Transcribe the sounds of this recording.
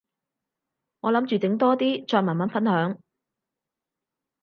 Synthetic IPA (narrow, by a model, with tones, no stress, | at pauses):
ŋɔː˨˧lɐ˨˥mt͡ʃyː˨t͡sɪ˨˥ŋt̪ɔː˥t̪iː˥t͡ʃɔː˧mɐː˨˩nmɐ˨˥nfɐ˥nhœː˨˥ŋ